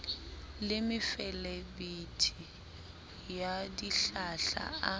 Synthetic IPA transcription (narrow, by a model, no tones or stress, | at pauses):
lɪmɪfɛlebitʰi | jadiɬaɬa̰a